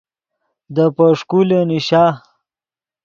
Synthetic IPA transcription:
d̪əpəʂkuleniɕa

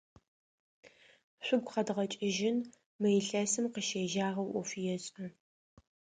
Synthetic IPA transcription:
ɕʷʊɡʷχɐdʁɐt͡ʃʼɪʒɪn | mɐjɬɐsɨmqəʃeːʒaːʁɐwʔʷɔfijɛɕʼɐ

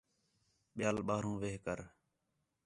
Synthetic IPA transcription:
ɓɪjaːlɓaːɾũːʋeːɦkəɾ

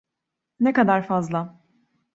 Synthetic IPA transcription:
nekad̪aɾfazlˠa

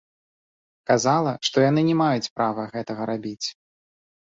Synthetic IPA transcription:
kazalˠɐʂt̪ɔjanɨnʲɛmajut͡sʲpɾavɐɣɛt̪ɐɣɐɾabʲit͡sʲ

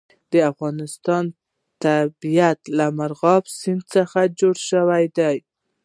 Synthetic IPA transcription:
d̪̥əafɣɑnɪst̪ɑn | t̪abijat̪lamaɾɣɑbsɪnd̪səxad͡ʒoɽʃəwajd̪aj

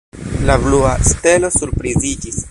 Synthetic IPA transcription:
labluaste̞lo̞suɾpɾizid͡ʒis

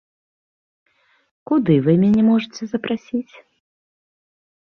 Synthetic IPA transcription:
kud̪ɨvɨmʲanʲɛmɔʐɨt͡sʲɛzɐpɾʔasʲit͡sʲ

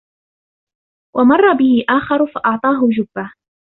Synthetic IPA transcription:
wamɑrˤːɑbɪhɪʔaːxɑɾˤʊfaʔɑʕt̪ˤɑːɦʊd͡ʒʊbːa

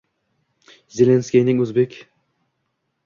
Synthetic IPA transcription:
zelenskʲijnɪŋɵzbekʲ

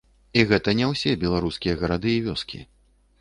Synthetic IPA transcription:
iɣɛt̪ɐnʲɛwsʲɛbʲɛlˠaɾuskʲijɐɣɐɾad̪ɨivʲɔskʲḭ

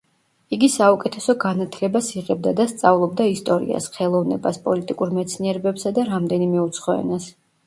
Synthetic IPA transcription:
iɡisaukʼɛt̪ʰɛsɔɡanat̪ʰlɛbasiʁɛb̚d̪ad̪ast̪sʼavlˠɔb̚d̪aist̪ʼɔɾḭa̰sχɛlˠɔvnɛbaspʼɔlit̪ʼikʼuɾmɛt̪sʰniɛɾɛbɛpsad̪aɾamd̪ɛnimɛut̪sʰχɔɛ̰nas

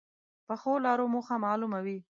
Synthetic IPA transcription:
pəxolɑɾomuxamɑːlumawi

